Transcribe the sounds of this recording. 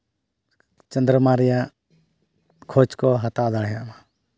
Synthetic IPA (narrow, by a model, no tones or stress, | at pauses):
t͡ʃənd̪ɾəmaɾija | kʰot͡ʃkɔɦat̪ad̪aɽɦɛjaʔma